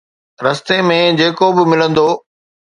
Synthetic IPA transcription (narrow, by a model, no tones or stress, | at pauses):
ɾɐst̪emẽd͡ʑeːkobɪmɪlə̃nd̪oː